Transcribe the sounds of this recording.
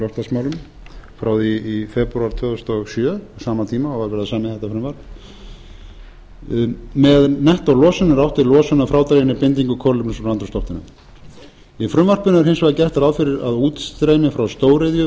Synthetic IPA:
lɔht̪asmaːwlʏm | fɾaːwðifɛpɾuaɾ̥t̪ʰvœːðʏst̪ɔɣsjœːɔsaːmat̪ʰiːmaɔɣvaɾvɛːɾɪðasaːmɪθɛht̪afɾʏmvaɾ̥p | mɛðnɛht̪alɔːsʏnːɪɾawht̪ɪɾlɔːsʏnːafɾaːwt̪ɾejɪnɪpɪnt̪iŋkʏkʰɔlʏpnʏsɔɾant̪ɾʏst̪ɔht̪ɪnʏ̰m | ifɾʏmvarpʏnʏɾ̥ɦɪnsvaðacɛht̪aɾawfɪɾɪɾa̰ðuːt̪t̪ɾejnɪfɾawst̪oːwɾeðjʏ

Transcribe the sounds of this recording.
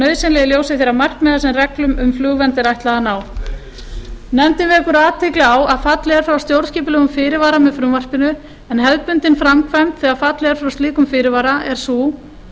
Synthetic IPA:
nœɥsɪnlɛjɪljoːwsɪθjɛɾamar̥kmɛːðasɛmrɛklʏmʏmflʏːɣvɛnt̪ɪɾajht̪laðanaːw | nɛmt̪ɪnvɪɛkʏɾaːt̪ʰɪklɪawaðfat̪lɪɛɾ̥fɾawst̪jowɾðsciːpʏlɛːɣʏmfɪːɾɪɾvaːɾamɛðfɾʏmvar̥pɪnʏ | ɛnɦɛðpʏnt̪ɪnfɾamkʰvɛmt̪θiɣafat̪lɪɛɾfɾawst̪iːkʏmfɪːɾɪɾvaːɾaɛɾ̥suː

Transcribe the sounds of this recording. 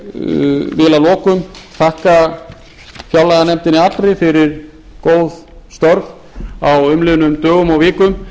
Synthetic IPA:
vɪːlalɔːkʏmθahka | fjawlaðanɛm̥t̪ɪnːɪat̪ɾejfɪɾɪɾ̥ | koːwð | st̪ɔɾv | awʏmlɪːðʏnʏmt̪œːɣʏmawvɪːkʏm

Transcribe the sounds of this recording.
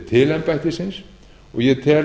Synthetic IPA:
t̪ʰɪlɛmpajht̪ɪsɪns | ɔɣjɛt̪ʰɛːl

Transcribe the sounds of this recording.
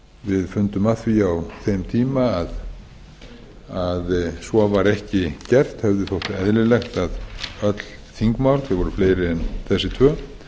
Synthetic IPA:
vɪðfʏnt̪ʏmaθviawθejmt̪ʰiːmaːð | aðsvɔvaɾɛhcɪcɛr̥t̪hɛvðʏθowht̪ɛðlɪlɛxt̪aðœt̪l̥ | θiŋkmawɾθɛɣvɔɾʏfleːjɾɪɛnθɛsːɪt̪ʰvœː

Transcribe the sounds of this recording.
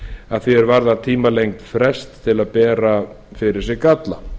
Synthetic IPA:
aðθvɪɛɾvaɾðat̪ʰiːmalejŋkt̪fɾɛst̪ʰːɪlaðpɛːɾa | fɪɾɪɾ̥sɛɣkat̪la

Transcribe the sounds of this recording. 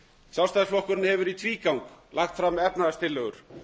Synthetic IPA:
sjawst̪ajsflɔhkʏɾɪnhɛvʏɾit̪ʰviːkawŋklʔaxt̪fɾamːɛpnaast̪ʰɪlːœɣʏɾ̥

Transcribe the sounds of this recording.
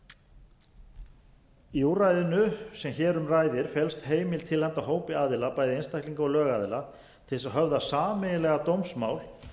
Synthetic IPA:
iurajðɪnʏsɛmçɛːɾʏmraːjðɪɾ̥fɛlst̪heːjmɪlt̪ʰɪlhant̪aɦoːwpɪaːðɪlapaːjðɪejnst̪ahkliŋkaɔlœːɣaːðɪla | t̪ʰɪlsaðɦœvðasaːmɛjɪlɛɣat̪owmsmaːwl

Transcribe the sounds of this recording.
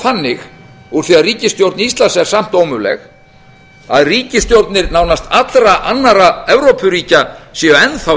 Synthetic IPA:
θanːɪx | uɾ̥θiaðriːcɪst̪jowɾt̪nɪist̪lansɛɾ̥sam̥t̪owmʏlɛ̰x | aðriːcɪst̪jowɾt̪nɪɾnaːwnast̪at̪lɾaʔanːaɾaɛvɾowpʏɾiːcasjɛɛnθa

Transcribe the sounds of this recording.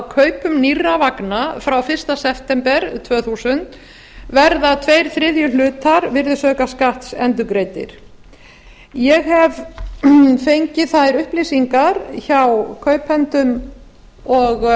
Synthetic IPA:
kʰœɥpʏmnirːavaknafɾawfɪr̥st̪asɛft̪ɛmpɛɾt̪ʰvœːθusʏnt̪ | vɛɾðat̪ʰvejɾ̥θɾɪðjʏlʏːt̪aɾvɪɾðɪsœːkaskaht̪sɛnt̪ʏkɾejt̪ɪ̰ɾ̥ | jɛɣhɛv | fejɲcɪθaðjɾʏhplisiŋkaɾçawkʰœɥphɛnt̪ʏm | ɔɣ

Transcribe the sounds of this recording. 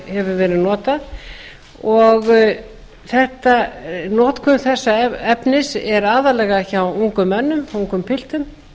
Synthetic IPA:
hɛvʏɾvɛːɾɪðnɔːt̪a | ɔɣ | θɛht̪anɔːt̪kʰʏnθɛsːaɛpnɪsɛɾaːðalɛːɣaçawuŋkʏmːɛnːʏmuŋkʏmpʰɪl̥t̪ʏm

